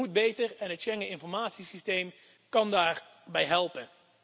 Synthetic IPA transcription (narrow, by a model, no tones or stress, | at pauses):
ud̚bejtəɹɛnɦətʃɛŋəɪnfɔɹmaːtsisistejm | kɑndaːɹ | bɛjɦɛlˠpən